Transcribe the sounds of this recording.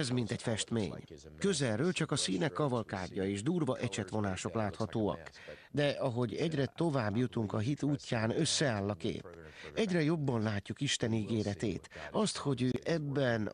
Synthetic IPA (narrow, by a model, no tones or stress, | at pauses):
ɛzmint̪ɛcfɛʃt̪mḛːɲkøzɛlrːøːlt͡ʃɒkɒsiːnɛkːɒvɒlka̰ːɟːɒeːʒd̪uːrvɒʔɛt͡ʃɛt̪ʋo̞naːʃo̞klaːt̪hɒt̪oːɒ̰k | d̪ɛʔɒɦo̞ɟɛɟrɛt̪o̞vaːbjut̪uŋkɒɦit̪uːcːaːnøsːɛaːlːɒkḛːpɛɟrɛjo̞bːɒnlaːcːukiʃt̪ɛniɡeːɾɛt̪ḛːt̪ɒst̪ho̞ɟøːʔɛbːɛn